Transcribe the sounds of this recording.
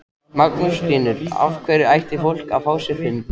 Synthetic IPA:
maknʏst̪iːnʏɾ̥a̰fkʰvɛːɾɪajht̪ɪfowl̥kaðfaːwsɛfɪnː

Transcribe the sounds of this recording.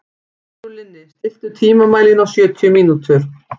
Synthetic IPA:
ʏlɪnːɪst̪ɪl̥t̪ʏt̪ʰiːmamaːjlɪnawsjœːt̪ʰjʏmiːnut̪ʰʏɾ̥

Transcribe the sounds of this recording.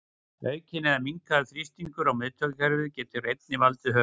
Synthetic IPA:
œːɥcʰɪnɛðamiŋkaθɾist̪iŋkʏɾawmɪðt̪ʰœkakɛɾvɪcɛːt̪ʏrejt̪̚nɪvalt̪ʏɦœː

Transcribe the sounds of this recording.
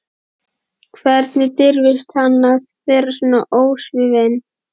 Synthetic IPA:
kʰvɛɾt̪nɪt̪ɪɾvɪst̪hanːaðvɛːɾasɔːnːa̰ʔoːwsvɪven

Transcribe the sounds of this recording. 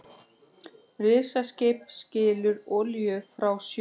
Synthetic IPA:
rɪðsascɪpscɪːlʏɾɔljʏfɾawsj

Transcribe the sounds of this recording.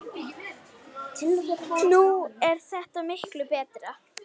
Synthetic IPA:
ɪnuɛɾ̥θɛht̪amɪhklʏpɛːt̪ɾa

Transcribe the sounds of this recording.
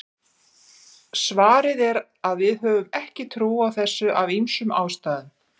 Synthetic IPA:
svaːɾɪðɛɾ | aðvɪðɦœːvʏmɛhcɪt̪ʰɾuːawθɛsːʏʔavejnsʏmaːwst̪aːðɪn

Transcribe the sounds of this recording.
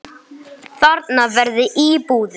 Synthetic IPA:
θaɾt̪navɛɾðɪʔipuːðɪ

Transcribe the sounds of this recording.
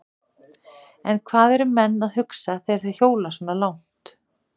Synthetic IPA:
ɛnkʰvaːðɛɾʏmɛnːaðhʏksaθesɪ̥çjoːwlasɔːnalawn̥t̪

